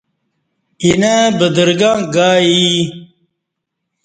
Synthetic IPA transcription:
inabəd̪əɾɡãːɡaːi

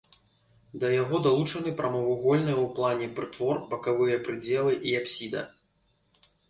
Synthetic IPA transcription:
d̪ɐjaɣɔd̪alˠut͡ʂɐnɨpɾʔɐmɔvɨɣɔlʲnɨjɐwplˠanʲɛpɾɨt̪vɔrbɐkavɨjɐpɾɨd͡zʲɛlˠɨʔiapsʲid̪ɐ̰

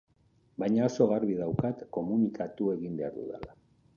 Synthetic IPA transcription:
bajɲao̞so̞ɣarβiðawkat̪ko̞munikʰat̪ue̞ɣimbe̞aɾðṵðḛla

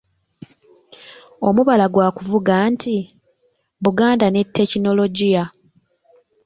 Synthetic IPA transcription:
o̞muβalaɡwaːkuvuɡaːnti | βuɡaːndane̞tʰːe̞cino̞lo̞ɟija

